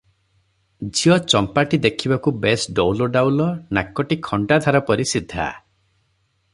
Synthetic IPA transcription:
d͡ʒijɔt͡ʃɔmpaʈid̪ekʰibakubesɖɔwloɖawlɔnakːɔʈikʰɔɳɖad̪ʱaɾɔpɔɾisid̪ʱːa̰

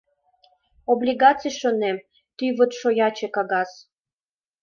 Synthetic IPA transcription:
oblʲiɣɑt͡sɨjʃonem | t̪yβət̪ʃojɑt͡ɕekɑɣɑs

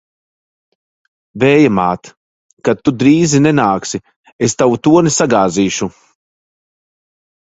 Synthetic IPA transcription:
vɛːjamaːt̪ | kat̪ːud̪ɾiːzinenaːksi | est̪awut̪uɔnisaɡaːziːʃu

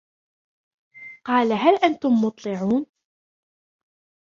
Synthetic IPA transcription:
qɑːlaɦælʔant̪ʊmːʊt̪ˤlɪʕuːn

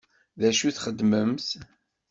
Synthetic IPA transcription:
ðæʃuθχəd̪ːməmθ

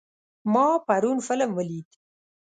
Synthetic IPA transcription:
mɑpaɾunfɪləmwəlit̪

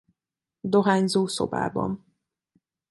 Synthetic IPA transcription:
d̪oɦaːɲzoːso̰ba̰ːbɒ̰n

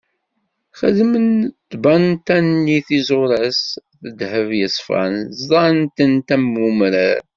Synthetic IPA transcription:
χəðmənt̪ːbænt̪ænːiθizʊɾæsθəd̪həvjəsˤfæ̰nzˤd̪ˤɑnt̪ənt̪æmumɾə

